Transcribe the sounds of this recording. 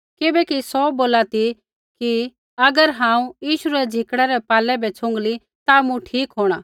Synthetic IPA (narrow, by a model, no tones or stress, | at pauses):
kɪbɛkisɔboːlat̪i | ki | ɐɡəɾɦãːũjiːʃuɾɛd͡zʱɪkɽ̃ɛɾɛpaːlɛbʱɛt͡sʰʊ̃ŋɡli | t̪amũʈʰiːkɦoːɽ̃a